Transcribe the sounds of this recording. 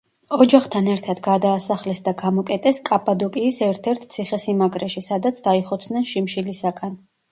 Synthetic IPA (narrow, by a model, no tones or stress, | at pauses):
ɔd͡ʒaχt̪ʰanɛɾt̪ʰad̪ɡad̪aːsaχlɛsd̪aɡamɔkʼɛt̪ʼɛskʼapʼad̪ɔkʼiːsɛɾt̪ʰɛɾt̪ʰt̪sʰiχɛsimaɡɾɛʃisad̪at̪sʰd̪aiχɔt̪sʰnɛnʃimʃilisakʼan